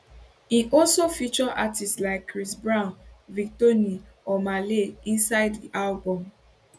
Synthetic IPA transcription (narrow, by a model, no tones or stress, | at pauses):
hiʔɔlsofit͡ʃɔʔatistlaɪkːɹisbɹãʊ̃nvik̚toniɔmaleĩnsaɪddiʔalbɔ̃m